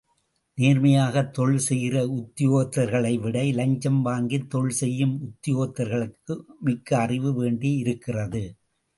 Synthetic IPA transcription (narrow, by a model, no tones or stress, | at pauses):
neːɾmɐjaːɣɐt̪ːɔɭsɛjɪrɐʊt̪ːɪjoːt̪ːɐɾɣɐɭɐɪʋɪɽɐɪlɐɲd͡ʒɐmʋaːŋɡit̪ːɔɭsɛjːɯmʊt̪ːɪjoːt̪ːɐɾɣɐɭɯkːɯmɪkːɐɐrɪʋɯʋeːɳɖiɪɾɯkːɪrɐðɯ